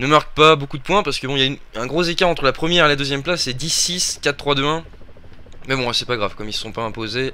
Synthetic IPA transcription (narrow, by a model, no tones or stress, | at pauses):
nəmaʁkpabokud̪əpwɛ̃paʁsə̥kəbɔ̃iljayn | ɛ̃ɡʁozekʲaʁɑ̃t̪χəlapχəmjɛʁelad̪øzjɛmplasːɛd̪isːiskʲat̪t̪ːχwad̪øɛ̃ | mɛbɔ̃asɛpaɡʁav̥kɔmiləsɔ̃paɛ̃poze